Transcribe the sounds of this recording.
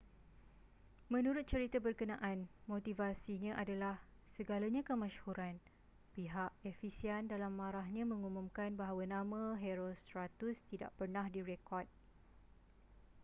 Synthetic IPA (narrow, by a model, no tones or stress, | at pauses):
mə̃nũɾʊt̪̚t͡ʃəɾit̪abərkənãʔanmõt̪ivasiɲãʔadalah | səɡalaɲãkəmãʃhuɾan | piɦaʔefisiɛndalamːãɾaɦɲãmə̃ŋumũmkanbaɦawanãmãɦeɾost̪ɾat̪ust̪ida̰ʔpərnahdiɾekɔrt̪̚